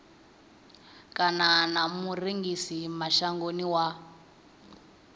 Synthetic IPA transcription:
kʼananamuriŋɡisimaʃaŋɡoniwa

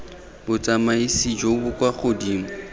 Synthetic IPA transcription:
bʊt͡sʼamaisid͡ʒobʊkʼwaχodiːmʊ

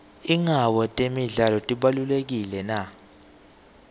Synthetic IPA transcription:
iŋawɔtʼemiɮalɔtʼiɓalulek̬ilɛna

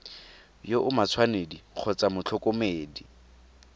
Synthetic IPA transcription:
joʔʊmat͡sʰwanediq͡χʰɔt͡sʼamʊt͡ɬʰɔkʊmeːdi

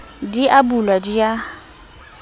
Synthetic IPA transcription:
diʔabulwadija

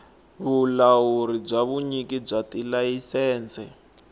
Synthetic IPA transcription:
βulawuɾib͡ʐaβuɲikib͡ʐatilajisɛːnt͡sʰɛ

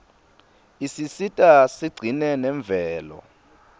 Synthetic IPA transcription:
isisitʼasiɡ͡ǀʱinɛnɛɱb̪vʱɛːlɔ̰

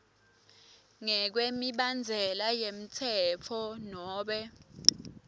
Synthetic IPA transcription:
ŋɛk̬wemiɓand͡zʱɛlajem̩tʰɛt͡fʰɔnɔːɓɛ

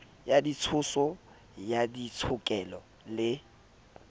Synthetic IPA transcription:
jadit͡sʰʊsɔ | jadit͡sʰʊkʼɛlɔ | lɪ

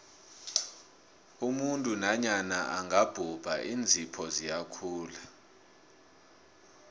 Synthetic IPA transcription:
umuntʼunaɲanaʔaŋʱab̥ʱub̥ʱaʔiːnd͡zʱipʰɔzijakʰuːla

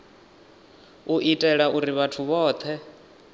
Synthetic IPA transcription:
uʔitʼɛɺaʔuɾiβatʰuβɔːt̪ʰɛ

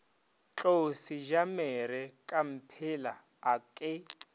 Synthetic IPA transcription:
t͡ɬʼosiʒamɛɾɛkʼam̩pʰɪlaː | kʼɪ

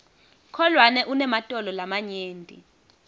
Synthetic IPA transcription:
kʰɔlwanɛʔunɛmatʼɔlɔlamaɲeːndʼḭ

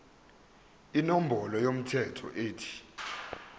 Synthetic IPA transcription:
inom̩bʱɔlɔjom̩tʰɛtʰɔ̰ʔeːtʰi̥

